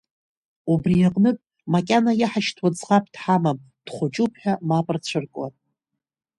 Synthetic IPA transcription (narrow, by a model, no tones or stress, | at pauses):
ubrijaqʼnɨpʼ | makʲʼanajaħaʃtʰwad͡zʁapʰʼd̥ħamam | d̥χʷʊt͡ʃʼupʰħᶣamapʼɨrt͡ɕʷʰɨrkʷʼatʼ